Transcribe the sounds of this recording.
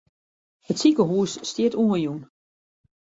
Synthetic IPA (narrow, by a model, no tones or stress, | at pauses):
hətsikəɦuəsːtjɪtuəjun